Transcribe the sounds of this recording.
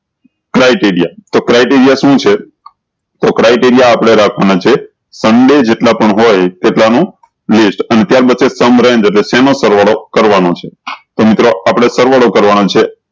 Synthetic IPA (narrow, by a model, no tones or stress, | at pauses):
kɾajʈiɾijat̪okɾajʈiɾijaʃũt͡ʃʰe | t̪okɾajʈiɾijaːpɽ̃eɾakʰʋanat͡ʃʰe | səɳɖed͡ʒeʈlapəɳɦojt̪eʈlanũ | lisʈənet̪jaɾbət̪ːʃʰesəmɾɛ̃nd͡ʒeʈlesɛnosəɾʋaɭokəɾʋanot͡ʃʰet̪omɪt̪ɾoapɽ̃esəɾʋaɭokəɾʋanat͡ʃʰe